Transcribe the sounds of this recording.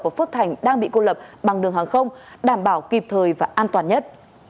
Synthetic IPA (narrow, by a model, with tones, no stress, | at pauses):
vaː˨˩fɨ˦˥k̚t̪ʰa˨˩jŋ̟ɗaː˧ŋɓḭ˧˨ko˧lə˨˩p̚ɓa˨˩ŋɗɨ˨˩əŋhɦaː˨˩ŋxə˧wŋ͡mɗaː˧˩mɓaː˧˩wki˨˩p̚t̪ʰəː˨˩jvaː˨˩ʔaː˧nt̪waː˨˩nɲə˦˥t̚